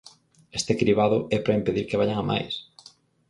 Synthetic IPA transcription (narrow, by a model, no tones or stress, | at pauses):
est̪ekɾiβaðʊɛpɾaimpeðiɾkeβaʎaŋamʔa̰js